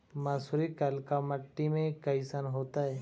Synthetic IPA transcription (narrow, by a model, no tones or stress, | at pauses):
maːsuɾikəlkaməʈːimẽkɐɪsanɦoːt̪aɦɛː